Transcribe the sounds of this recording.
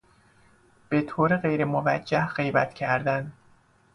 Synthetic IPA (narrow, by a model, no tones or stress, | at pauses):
b̥e̞t̪ʰoːɾeɣe̞jɾemovæd͡ʒːæhɢe̞jbæt̪ʰcʰæɾd̪æn